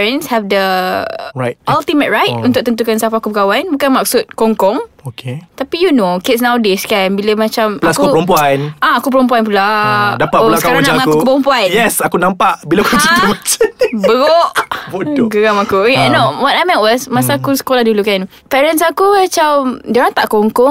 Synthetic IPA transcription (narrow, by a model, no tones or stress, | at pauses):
ɹənshɛfdə | ɹajt̚ʔalt̪imət̚ɹajt̚ũnt̪ʊk̚t̪ənt̪̬ukansafakupəkawanbukanmak̚sut̪̚kɔŋkɔŋokʰet̪apijunokɪt̚s̬nãwdeskanbiləmãt͡ʃamaplasakkuəɾump̬uanaakup̬əɾɔmpuanp̬uladapat̪̚ulasəkaɾaɾaamŋakkukupəɾɔmpuanjɛsakunãmpaʔbilakut͡ʃit̪umat͡ʃanbəɣɔʔboɡəɣamakukɛnowɔt̚ajmɛ̃twɔsmasaːkusə̥kolahdulukan | pɛɾənsakuat͡ʃawdoɾaŋt̪aʔkɔŋkɔŋ